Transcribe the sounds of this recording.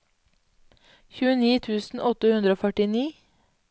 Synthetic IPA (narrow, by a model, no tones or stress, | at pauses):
çʉːəniːt̪ʰʉːsn̩ʔɔt̪əhʉnd̪ɾəoːfœʈɪniː